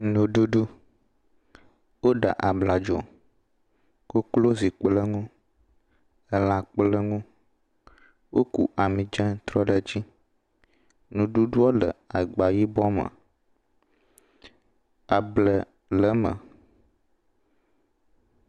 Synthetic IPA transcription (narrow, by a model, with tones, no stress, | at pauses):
nũ˨ɖu˦ɖu˦ | wo˦ɖa̰˨ʔa˨bla˨d͡ʒɔ̰˨ | ku˦klo˦zi˨k͡plə˦ŋũ˦ | ə˨la˨k͡plə˦ŋũ˦ | wʔo˦kṵ˨ʔa˨mĩ˨d͡ʒə̃˦t̪ɾɔ˦ɖə˦d͡ʑi˦ | nũ˨ɖu˦ɖu˦o˦lə̰˨a˨ɡ͡ba˨ji˦bɔ˦mə̰˨ | a˨blə˨ | lə˨˦mə̰˨